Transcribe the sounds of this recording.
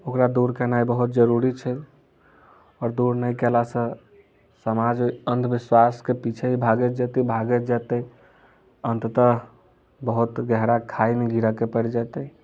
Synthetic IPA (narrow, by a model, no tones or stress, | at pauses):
okɾad̪uɾkənaibəɦut̪̚d͡ʒəɾuɾit͡ʃʰɛ | ɔːɾd̪uɾnəjkɛlasə̃ | səmad͡ʒənd̪biswaskepit͡ʃʰeɦibʱaɡet̪d͡ʒɛt̪ibʱaɡɛd͡ʒɛt̪ə | ənt̪t̪ə | bəɦut̪ɡɛɦɾakʰainiɡʱiɾakepəɽd͡ʒɛt̪ə